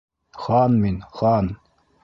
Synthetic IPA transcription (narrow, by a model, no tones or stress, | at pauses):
χɑnminχɑn